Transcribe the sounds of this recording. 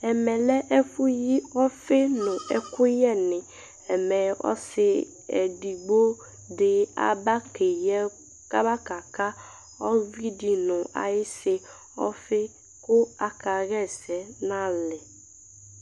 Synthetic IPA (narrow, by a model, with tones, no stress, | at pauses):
ɛ˨mɛ̃˨lɛ˦ʔɛ˦fu˦ji˦ɔ˦fe˦nʊ̃˨ɛ˨kʊ˦jɛ˦nɪ̃˨ | ɛ˨mɛ˨ɔ̰˦sɪ˨ | ɛ̰˨di˨ɡ͡bo˦ | dɪ˨a̰˨ba˦ke˨jɛ˦ | ka˦ba˦ka˨ka˦ | ɔ˦vi˦di˨nʊ̃˨a̰˨jɪ˦sɪ˦ | ɔ̰˦fɪ˦ | kʊ˦a˨ka˨ɾɛ˦˨sɛ˨nã˦lɪ˨